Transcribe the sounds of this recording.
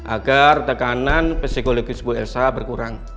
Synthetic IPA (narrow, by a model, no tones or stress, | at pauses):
ʔa̰ɡart̪əkananpɛsikoloɡɪsbuɛlsabərkuɾaŋ